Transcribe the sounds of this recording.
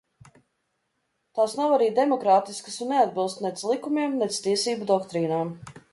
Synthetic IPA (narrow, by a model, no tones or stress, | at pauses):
t̪aːsnawaɾiːd̪emɔkɾaːt̪iskə̥sunːead̪̚bilˠst̪nɛd̪slˠikumiɛmnɛst̪iɛsiːbud̪ɔkt̪ɾiːnaːm